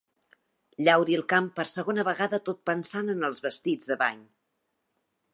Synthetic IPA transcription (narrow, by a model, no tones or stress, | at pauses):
ʎawɾiəlˠkampəɾsəɣonəβəɣaðət̪ot̪̚pənsanənəlˠzβəst̪id͡zðəβa̰ɲ